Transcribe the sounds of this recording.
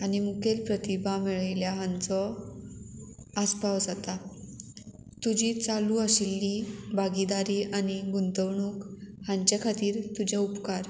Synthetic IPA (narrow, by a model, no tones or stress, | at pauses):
animukʰelpɾət̪ibʱamiɭajljaɦãnt͡sɔ | aspawd͡zat̪a | t̪ud͡ʑiːt͡saluːəɕilːibaɡid̪aɾiːʔaniɡunt̪əwɳuːk | hãɲt͡ɕjakʰat̪iːɾt̪ud͡ʑaupkaɾ